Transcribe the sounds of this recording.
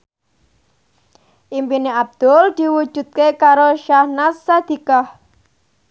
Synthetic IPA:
ʔimpineab̚d̪̥ɔld̪̥iwu̥ʒ̥ṳt̪̚kekaɾoʃahnasad̪̥i̤kah

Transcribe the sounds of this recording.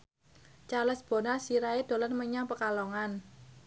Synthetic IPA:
t͡ʃaləsb̥o̤nasiɾaed̪̥o̤lɔnməɲaŋpəkalɔŋan

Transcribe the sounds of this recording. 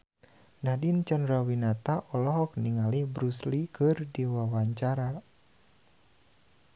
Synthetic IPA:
nadint͡ʃanɾawinat̪aʔɔlɔɦɔk̚niŋalihbɾuslikʰɨrdiwawaɲt͡ʃaɾa

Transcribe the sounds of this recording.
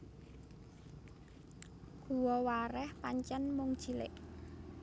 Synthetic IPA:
ɡ̥uwɔwaɾɛhpaɲt͡ʃɛnmʊŋd̥ʒ̥i̤lɪ̰ʔ

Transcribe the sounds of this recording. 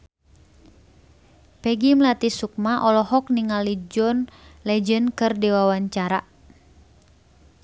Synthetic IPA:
pɛɡimlat̪isuk̚maʔɔlɔɦɔk̚niŋalid͡ʒɔnlɛd͡ʒənkɨrdiwawaɲt͡ʃaɾa

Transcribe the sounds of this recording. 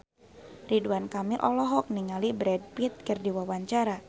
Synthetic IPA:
riduankamiʔɔlɔɦɔk̚niŋalibɾɛd̚pit̪̚kərdiwawaɲt͡ʃaɾa

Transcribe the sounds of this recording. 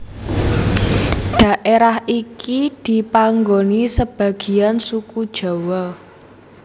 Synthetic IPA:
ɖ̪̥a̤ʔeɾahʔikid̪̥i̤paŋɡonisəb̥ä̤ɡ̥i̤ansukud̥ʒ̥a̤wɔ

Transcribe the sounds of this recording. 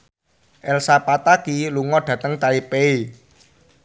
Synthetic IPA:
ʔɛlsapat̪akiluŋɔɖ̥ä̤t̪əŋt̪aipee

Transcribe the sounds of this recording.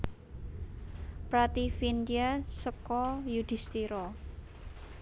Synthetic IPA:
pɾat̪ifind̪iasəkɔjud̪̥i̤st̪iɾɔ

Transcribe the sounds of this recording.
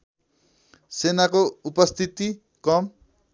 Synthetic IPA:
senakoupʌst̪ʰit̪i | kʌm

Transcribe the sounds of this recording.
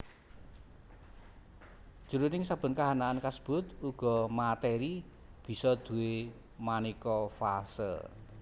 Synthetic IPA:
ʒ̥ṳɾunɪŋsab̥ə̤nkaɦanaːnkasə̥b̥ʊ̤t̪uɡ̥ɔ̤mat̪ɛɾi | b̥i̤sɔd̪̥ṳwe | manikɔfasə̰l

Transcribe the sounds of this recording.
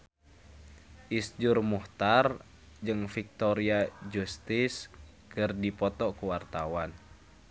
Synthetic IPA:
ʔisd͡ʒurmuht̪ar | d͡ʒɨŋfik̚t̪ɔɾiad͡ʒust̪is | kɨrdipɔt̪ɔkuwart̪awan

